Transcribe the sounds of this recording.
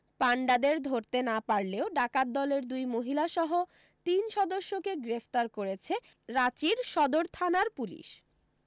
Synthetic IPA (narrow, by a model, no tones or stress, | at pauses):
paɳɖad̪eɾd̪ʱoɾt̪enapaɾleoɖakad̪ːɔleɾd̪ujmoɦilaʃɔɦo | t̪inʃɔd̪oʃːokeɡɾeft̪aɾkoɾet͡ɕʰe | ɾat͡ɕiɾʃɔd̪oɾt̪ʰanaɾpulḭʃ